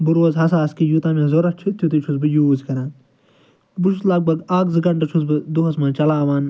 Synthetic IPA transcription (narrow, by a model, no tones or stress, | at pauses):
buɾoːzɦɐs̬aːskijut̪ãːmẽzoɾɐt͡ʃʰit̪ʰːjut̪it͡ʃʰusbɨjuːzkɐɾãːn | buʃuslɐɡ̚bʱɐɡaːkzɨɡɐɳʈɐt͡ʃʰusbɨd̪uɦɐsmãːt͡ʃɐlaːʋaːn